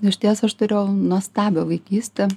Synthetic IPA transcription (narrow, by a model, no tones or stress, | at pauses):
ɪʃʲt̪ʲiɛsɐʃt̪ʊɾʲeʊnuɔst̪ɑːbʲoːʋɐɪkʲiːsʲt̪ʲɛ